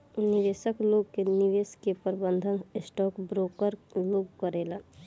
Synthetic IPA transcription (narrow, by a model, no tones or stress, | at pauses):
nɪʋeːsəkloːɡ̚kenɪʋeːskepəɾbə̃nd̪ʱənɪsʈɔːkbɾoːkəɾloːɡkəɾeːla